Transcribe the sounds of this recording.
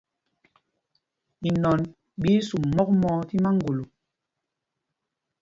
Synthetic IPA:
i˨nɔ˨n | ɓi˦su˨mːɔ˦k̚mɔː˨˦ti˦ma˦ŋ˦ɡo˨lu˨

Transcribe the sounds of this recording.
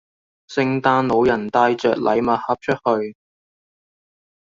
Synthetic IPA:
sɪ˧ŋt̪aː˧nlo˨˧˥wjɐ˨˩nt̪aː˧jt͡ʃœː˨k̚lʔɐ̰˨˥jmɐ˨t̚hɐ˨˥p̚t͡ʃʰɵ˥t̚hɵ˧ɥ

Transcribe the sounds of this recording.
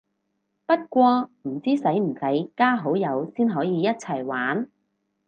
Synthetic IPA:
pɐ˥t̚kʷɔː˧m̩˨˩t͡siː˥sɐ˨˥jm̩˨˩sɐ˨˥jkaː˥ɦo˨˥wjɐ˨˧wsiː˥nɦɔː˨˥jiː˨˧jɐ˥t̚t͡sʰɐ˨˩jwaː˨˥n

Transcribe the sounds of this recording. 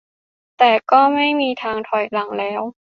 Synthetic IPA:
t̪ɛː˨˩kɔː˥˩ma˥˩jmiː˧t̪ʰaː˧ŋt̪ʰɔ˨˩jla˨˩˦ŋlɛː˦˥w

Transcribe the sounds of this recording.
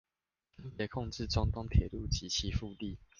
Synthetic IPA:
jɛ˨˩kʰɔ˥˧ŋʈ͡ʂɻ̩˥˨ʈ͡ʂɑ˥˦ŋt̪ɔ˥ŋt̪ʰjɛ˨˩lu˥˩t͡ɕi˨˦t͡ɕʰi˨˦fu˥˧t̪i˥˨

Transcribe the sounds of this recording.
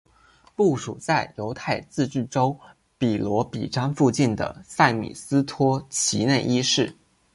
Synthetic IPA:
pu˥˩ʂu˨˩t͡sa˥˩ɪjo˧˥ʊt̪ʰa˥˧ɪt͡sɹ̩˥˧t͡ɕy˥˩ʈ͡ʂo˥ʊ | pi˨˩lwɔ˧˥pḭ˨˩ʈ͡ʂɑ˥ŋfu˥˧t͡ɕi˥˩nd̪ə̰˩sa˥˩ɪmḭ˨˩sɹ̩˥t̪ʰwɔ˥t͡ɕʰi˧˥ne˥˩ʔi˥ʂɻ̩˥˩

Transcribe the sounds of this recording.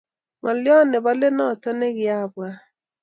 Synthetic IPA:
ŋɔ˨ljɔ˦nɪ˨bɔ˦le˦nɔ˦˨tɔ˦ne˦ɡɪ˨a˦˨ba˦

